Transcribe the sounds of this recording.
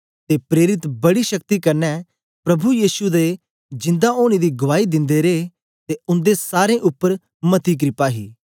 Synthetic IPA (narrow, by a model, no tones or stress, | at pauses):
t̪epɾeːɾɪt̪bɐɽiʃɐkt̪ikɐɾnɛ | pɾɐbujiːsud̪e | d͡ʒɪ̃nd̪aoːɽ̃id̪iɡʊʋaːid̪ɪ̃nd̪eɾeː | t̪eʊ̃nd̪esaːɾẽʔʊpːəɾ | mɐt̪iːk̬ɾɪpaːɦḭː